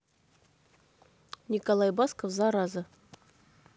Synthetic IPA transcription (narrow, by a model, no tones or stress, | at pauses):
nʲɪkalˠajbaskəfzaɾazə